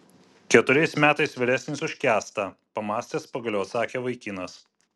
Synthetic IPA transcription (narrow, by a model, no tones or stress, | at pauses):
kʲɛt̪ʊɾʲɛɪsmʲæːt̪ɐɪsʋʲɪɾʲæsʲnʲɪsʊʃʲkʲæːst̪ɐpɐmɑːsʲt̪ʲeːspɐɡɐlʲoːt̪sɑːkʲeːʋɐɪkʲɪnɐs